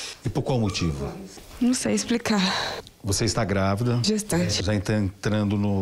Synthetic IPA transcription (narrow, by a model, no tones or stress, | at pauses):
ɪpoɾkwawmot͡ʃivʊnɐ̃w̃sejɪsplikaɾ | voseɪst̪aɡɾavid̪ɐʒust̪ɐ̃t͡ʃɪ̥ʒaẽnt̪ɐẽt̪ɾɐ̃nd̪ʊnʊ